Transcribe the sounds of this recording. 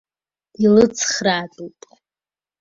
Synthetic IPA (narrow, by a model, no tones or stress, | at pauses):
ilɨt͡sʰχraːtʼupʼ